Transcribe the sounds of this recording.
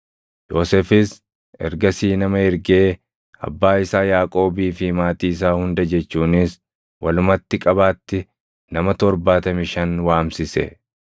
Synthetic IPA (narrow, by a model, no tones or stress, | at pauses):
joːsɛfɪs | ɛ̰ɾɡɐsiːnɐmɐhɪɾɡe̞ː | ɐ̰bːaːɪsaːjaːkʼo̞ːbiːfɪmaːt̪iːɪs̬aːhʊnd̪ɐd͡ʒɛt͡ʃːuːnɪs | wɐlʊmɐt̪ːɪkʼɐbaːt̪ːɪ | nɐmɐt̪ɔɾbaːt̪ɐmɪʃɐnwaːmsɪsɛ̰